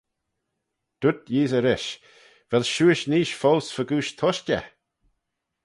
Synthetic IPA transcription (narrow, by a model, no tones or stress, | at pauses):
d̪̥ʊt̪jiːzəɾɪʃ | vɛlʃuːɪʃniːʃfoːsfəɡuːʃt̪ʰɔʃtʲə̰